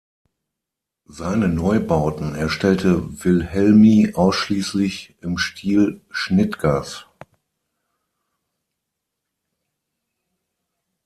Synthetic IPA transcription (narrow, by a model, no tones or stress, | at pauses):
zaɪnənɔʏbaʊtn̩ɛɐʃtɛltəvɪlhɛlmiʔaʊsʃliːslɪçʔɪmʃtʰiːlʃnɪtɡ̥aːs